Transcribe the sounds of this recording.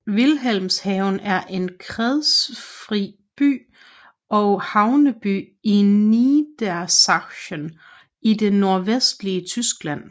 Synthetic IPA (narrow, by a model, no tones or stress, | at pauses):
ʋilɦel̰mshɛʊnæɐʔe̝nkʰʁɛðˠsfʁi | b̥y̰ː | ɒ̽ʊhɑ̈ʊnəb̥y̰ː | inid̥æɐsɑ̥̈ɕən | ideːo̝ɐʋesd̥liət͡sʰysɡ̥læn̰